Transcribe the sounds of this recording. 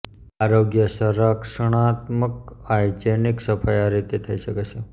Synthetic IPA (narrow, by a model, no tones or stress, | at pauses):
aɾoɡjəsəɾəkʂəɳ̃at̪məkajd͡ʒeniksəpʰajaɾit̪et̪ʰəiʃəket͡ʃʰe